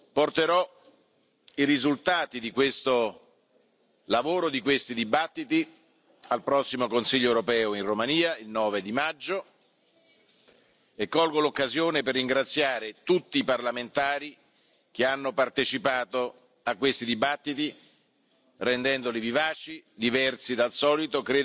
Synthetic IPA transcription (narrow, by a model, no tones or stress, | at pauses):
port̪eɾɔ | iɾizult̪aːt̪id̪ikwest̪o | lavoːɾod̪ikwest̪id̪ibat̪ːit̪i | alpɾɔsːimokonsiʎːoɛwɾopɛːoinromaniːailnɔːved̪imad͡ʒːo | ekːɔlɡolokːazjoːneperːiŋɡɾat̪sːjaːɾet̪ut̪ːiːparlament̪aːɾi | k̟eanːopart̪et͡ʃipaːt̪o | akːwest̪id̪ibat̪ːit̪i | rɛnd̪ɛnd̪olivivaːt͡ʃid̪ivɛrsid̪alsɔːlit̪okɾeː